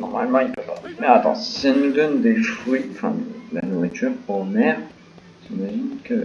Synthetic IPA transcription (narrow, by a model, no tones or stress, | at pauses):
nɔʁma̰lmɑ̃ilpopamɛat̪ɑ̰̃anud̪ɔnd̪efiɑ̃fɛ̰̃d̪la̰nuʁit̪yʁpɔmɛm | ʒimaɛʒinkə